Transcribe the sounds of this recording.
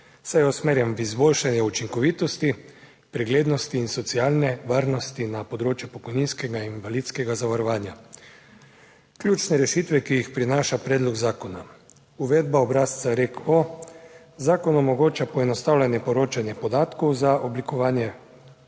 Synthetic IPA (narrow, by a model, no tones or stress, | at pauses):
sajɔsmeːɾjɛmvizboːlʃanjɛut͡ʃiŋkɔʋiːt̪ɔst̪i | pɾɛɡleːd̪nɔst̪iːnsɔt̪siaːlnɛʋaːɾnɔst̪inapɔd̪ɾoːt͡ʃjɛpɔkɔjninskɛɡainʋalit̪skɛɡazaʋaɾɔʋaːnja | klʲjuːt͡ʃnɛɾɛʃit̪ʋɛkijixpɾinaːʃapɾɛːd̪lɔɡzaːkɔna | uʋɛːd̪̚baɔbɾaːst̪saɾekɔ | zaːkɔnɔmɔɡoːt͡ʃapɔɛnɔst̪aːwlʲanjɛpɔɾoːt͡ʃanjɛpɔd̪aːt̪kɔwzaʔɔblikɔʋaːnjɛ